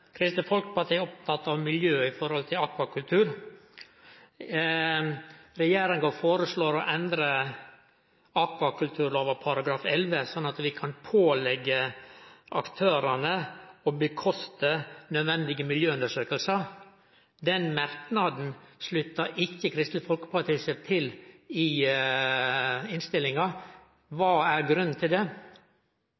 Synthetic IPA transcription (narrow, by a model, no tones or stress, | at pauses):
kʰɾɪst̪əfɔlkəpɑt̪ʰiːɔp̚t̪ʰɑt̪ːɑʋmɪljøːɪfɔɾhɔlt̪ʰɪlɑkʋɑkʰʉlt̪ʰʉːɾ | ɾɛjeːɾɪŋɡəfoːɾəsloːɾɔʔɛnd̪ɾə | ɑkʋɑkʰʉlt̪ʰʉːɾloːʋəpʰɑɾɑɡɾɑːfɛlʋəsɔnːɑt̪ʋɪkʰɑnpʰoːlɛɡːə | ʔɑkt̪ʰøːɾɑnəɔbəkʰɔst̪ənœd̪ʋɛnd̪ɪɡəmɪljøːʉnd̪əʂøːkəlsəɾ | d̪ɛnmæɾknɑd̪n̩slʉt̪ːəʔɪkːəkʰɾɪst̪ləfɔlkə̥pɑt̪ʰiːsət̪ʰɪlɪ | ɪnst̪ɪlːɪŋɑ | ʋɑːæɾɡɾʉnːnt̪ʰɪld̪ɛ